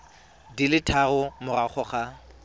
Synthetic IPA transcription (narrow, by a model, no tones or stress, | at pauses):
dilɪtʰarʊmʊraχʰɔχa